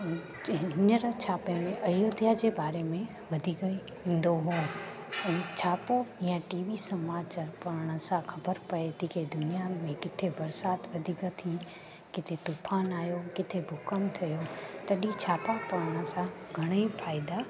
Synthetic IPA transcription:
ɦɪnəɾt͡ɕʰaːpemẽʔɐjoːd̪ʱjad͡ʑeːbaːɾemẽ | ʋɐd̪ʱiɡəi | ĩːn̆d̪oɦũ | ɛ̃ːt͡ɕʰaːpoɦijãʈiːʋisɐmaːt͡ɕaɾpɐɾəɽ̃ə̆sãxʰɐbəɾpɐet̪ikʰed̪ʊnijaːnmẽkɪt̪ʰebɐɾsaːt̪ʋɐd̪ʱiɡət̪ʰĩ | kɪt̪ʰet̪upʰaːnaːjokɪt̪ʰebʱʊkəmt̪ʰɐjot̪ɐɗit͡ɕʰaːpapɐɾəɽ̃ə̆sãɡʱɐɽ̃əifʰaːɪd̪a

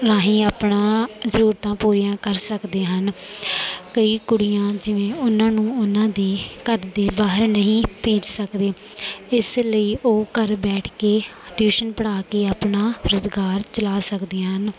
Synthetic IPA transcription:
ɾaːɦĩːaːpɳãːzəɾuːɾt̪ãːpuːɾijãːkəɾsəkd̪eːɦən | kəiːkʊɽijãːd͡ʒɪʋẽːʊnãːnũːʊnãːd̪eːkəɾd̪eːbaːɦəɾnəɦĩːpẽːd͡ʒsəkd̪eːɪsləiːʔoːkəɾbɛːʈʰkeːʈjuːʃənpəɽaːkeːaːpnaːɾʊzɡaːɾt͡ʃəlaːsəkd̪eːãːɦən

